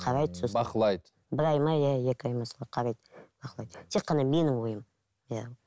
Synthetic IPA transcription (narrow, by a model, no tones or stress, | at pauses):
qʰɑɾɑjd̪sobɑqəlˠɑjd̪ | bɪɾɑjmɑjæe̞kʲɪɑjmɑslˠɑqʰɑɾɑjd̪b̥ɑqəlˠɑjd̪ət̪ʰe̞qːɑnɑme̞nɪŋwo̞jəm | jæ